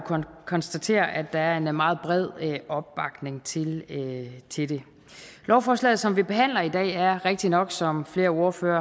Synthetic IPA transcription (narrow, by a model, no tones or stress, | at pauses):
kʰɒ̽nsd̥æt͡sʰe̝̰ːɐʔæd̥ːɑ̈æɐe̝nmɑ̈ːð̞̩ˠb̥ʁɛð̞̰ˠɒ̽b̥̚ːɑ̈ɡ̥ne̝ŋt͡sʰe̝l | t͡sʰe̝ld̥e̝ | lʔɒʊfɒːslɛ̰ːð̩ˠsɒ̽mʋib̥e̝ɦæn̰lɐid̥ɛ̰ːæɐʁeɡ̥̚d̥inɒ̽ɡ̥sɒ̽mfle̝ːɐo̝ɐføːɐ